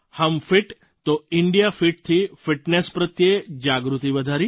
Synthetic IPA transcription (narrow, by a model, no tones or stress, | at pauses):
həmfiʈ | t̪oɪɳɖijafiʈ̚t̪ʰifɪʈnespɾət̪jed͡ʒaɡɾut̪iʋəd̪ʱaɾi